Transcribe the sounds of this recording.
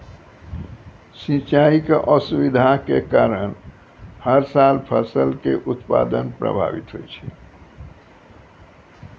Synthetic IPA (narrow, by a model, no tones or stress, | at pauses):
sĩt͡ʃaikeʔɔsubid̪ʱakekaːɾəñ | həɾsalpʰəsəlkeʔut̪pa̰d̪ənpɾə̰bʱa̰ʋit̪ɦo̰it͡ʃʰi